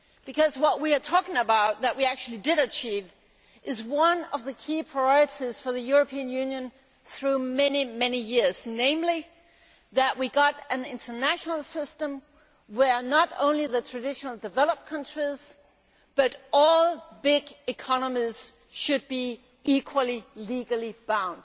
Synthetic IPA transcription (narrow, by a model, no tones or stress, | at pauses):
b̥ɨkʰʌzwʌʔ̚wiə˞tʰɔkɪ̃ŋəbaʊt̪̚ðɨʔ̚wiæk̚t͡ʃʉl̩ˠidɨɾɨt͡ʃʰiv | ʔɨzwʌ̃nʌvðɨkʰipʰɹ̥aɪɔɹɨɾiz̥fə˞ðɨjʊɹɨpʰiɨ̃njʉ̃njɨ̃n | θɹʉmɛnimɛnijɪɹz̥nẽɪ̃mli | ðɨʔ̚wiɡɑɾɨ̃nɪ̃ntʰə˞næʃnl̩ˠsɪstə̃m | wə˞nəɾõ̰ʊ̃nliðɨtʰɹ̥ɨdɪʃn̩l̩ˠdɨvɛlˠəp̚kʰʌ̃nt͡ʃɹ̥iz̥ | b̥ʌɾɔlˠbɪɡɨkʰɑnəmiz̥ | ʃɨd̚bi | ikʰwəl̩ˠiliɡl̩ˠib̥ãʊ̃nd̥